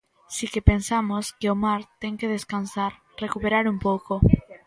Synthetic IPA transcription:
sikepensamoskeomaɾt̪eŋkeð̞eskansaɾ | rekupeɾaɾumpowko

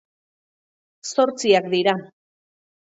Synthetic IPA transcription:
so̞ɾt͡siak̚d̪iɾa

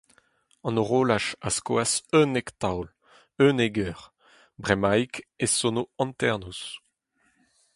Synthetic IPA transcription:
ɑ̃noʁoːlaʃaskwasønekt̪awl | øneɡœːʁ | bʁɛmajkesonoɑ̃nt̪ɛʁnus

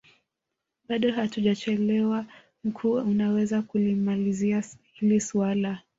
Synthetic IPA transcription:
ɓaɗɔhatuʄat͡ʃɛlɛwa | m̩kʰuːunawɛzakulimaliziahilisuala

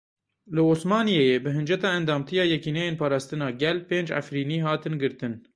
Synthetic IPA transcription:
lɨoːsmɑːnijejeːbɨɦɨnd͡ʒɛt̪ɑːɛnd̪ɑːmt̪ʰijɑːjɛkiːnɛjeːnpʰɑːɾɑːst̪ɨnɑːɡɛlpeːnd͡ʒʕa̰fɾiːniːɦɑːt̪ɨnɡɨɾt̪ɨn

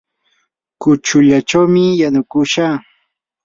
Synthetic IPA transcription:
kʊt͡ʃʊʎat͡ʃawmɪjanʊkʊʃaː

